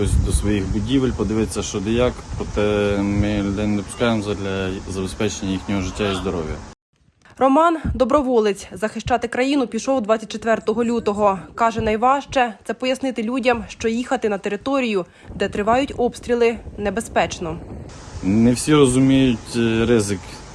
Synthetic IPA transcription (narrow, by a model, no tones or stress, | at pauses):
ɔsʲd̪ɔsʋɔjixbʊdʲiʋelʲpɔd̪ɪʋɪt͡sʲːɐʃt͡ʃɔd̪ɪjɑkpɾɔt̪ɛmɪlʲʊd̪ɛjnd̪pʊ̥skɑjemɔzd̪lʲɐzɐbespɛt͡ʃenʲːɐjixnʲɔɦɔʒɪtʲːaizd̪ɔɾɔ̰ʋʲjɐ̰ | rɔmɑnd̪ɔbɾɔʋɔlˠɪt͡sʲzɐxɪʃt͡ʃɑt̪ɪkɾɐjinʊpʲiʃɔwd̪ʋɑt͡sʲːɐt̚ʲt͡ʃet̪ʋɛrt̪ɔɦɔlʲut̪ɔɦɔkɑʒɛnɐjʋɑʃt͡ʃɛt̪sɛpɔjɐsnɪt̪ɪlʲudʲɐmʃt͡ʃɔjixɐt̪ɪnɐt̪eɾɪt̪ɔɾʲijʊ | d̪ɛt̪ɾɪʋɑjʊtʲɔpst̪ʲɾʲilˠɪnebespɛt͡ʃnɔ | nɛwsʲiɾɔzʊmʲijʊtʲɾɪzɪk